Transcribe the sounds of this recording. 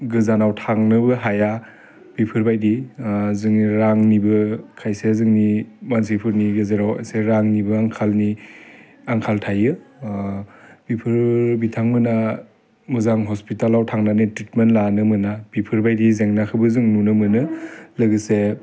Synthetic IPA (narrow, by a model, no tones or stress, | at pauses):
ɡɯzanawtʰaŋnɯbɯɦaja | b̥ipʰɯɾbajdizɯŋniɾaŋnibɯkʰajsezɯŋnimansipʰɯɾniɡɯzeɾawa̰seɾaŋnibɯaŋkʰalni | aŋkʰaltʰajɯ | bipʰɯɾbitʰaŋmɯna | mɯzaŋɦɔspitalawtʰaŋnanitɾitmentlanɯmɯnab̥ipʰɯɾbajdizeŋnakʰɯbɯzɯŋnunɯmɯnɯlɯɡɯse